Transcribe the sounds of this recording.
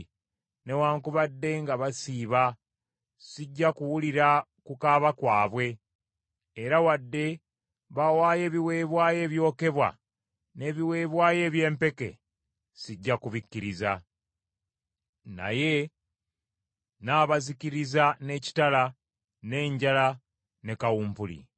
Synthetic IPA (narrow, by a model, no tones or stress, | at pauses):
ne̞waːŋkuβadːe̞ŋɡaβasiːβa | siɟːakuwuliɾa | kukaːβakwaːβwe̞ː | ɾawadːe̞ | βawaːje̞ːβiwe̞ːβwaːje̞ːβjo̞ːke̞βwa̰ | ne̞ːβiwe̞ːβwaːje̞ːβje̞ːmpe̞ke̞̰ | siɟːakuβikːiɾiza | na̰je̞ | naːβaziciɾizane̞ci̥tala | ne̞ːɲɟala | ne̞kawuːmpulḭ